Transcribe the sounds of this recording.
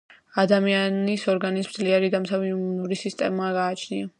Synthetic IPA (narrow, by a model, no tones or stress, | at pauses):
ad̪amianisɔɾɡanisd̪zliɛɾid̪amsaviumunuɾisist̪ʼɛ̰maɡaːt͡ʃʰnia